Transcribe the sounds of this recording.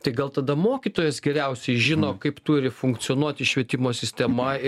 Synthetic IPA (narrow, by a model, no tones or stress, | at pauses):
t̪ɐɪɡɐlˠt̪ɐd̪ɐmoːkʲit̪oːjɛsɡʲɛɾʲɛʊsʲɛɪʒʲɪnoːkɐɪpt̪ʊɾʲɪfʊŋkt̪sʲɪoːnuɔt̪ʲɪʃʲʋʲiɛt̪ʲɪmoːsʲɪsʲt̪ʲɛmɐ